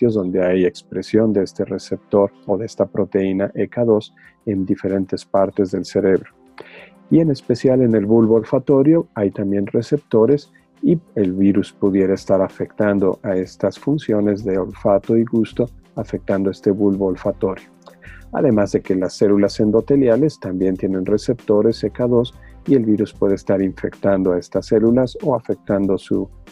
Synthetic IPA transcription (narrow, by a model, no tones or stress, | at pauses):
t̪jo̞zðo̞nd̪e̞aje̞kspɾe̞sjo̞nd̪eest̪e̞rese̞p̚t̪o̞ɾoðeest̪apɾo̞t̪e̞inaʔekaðo̞s | e̞nd̪ife̞ɾe̞nt̪e̞spaɾt̪ezðe̞lse̞ɾe̞βɾo̞ | ie̞ne̞spe̞sjale̞ne̞lβulβolfat̪o̞ɾjo̞ajt̪ambje̞nre̞se̞p̚t̪o̞ɾe̞s | ielβiɾuspuðje̞ɾaest̪aɾafe̞kt̪and̪o̞̰ʔae̞st̪asfunsjo̞ne̞zðe̞olfat̪o̞iɣust̪o̞afek̚t̪and̪oe̞st̪e̞βulβolfat̪o̞ɾjoa̰ðe̞mazðe̞ke̞lasːe̞lulasend̪o̞t̪e̞ljale̞st̪ambje̞nt̪jenẽ̞nre̞se̞p̚t̪o̞ɾe̞se̞kaðo̞sie̞lβiɾuspwe̞ðeːst̪aɾiɱfe̞̰kt̪and̪oae̞st̪asːe̞lulaso̞afe̞k̚t̪and̪osṵ